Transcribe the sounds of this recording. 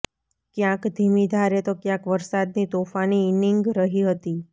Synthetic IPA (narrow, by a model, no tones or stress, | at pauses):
kjãkd̪ʱimid̪ʱaɾet̪okjãkʋəɾsad̪nit̪ofaniɪnɪŋɡɾəɦiɦət̪i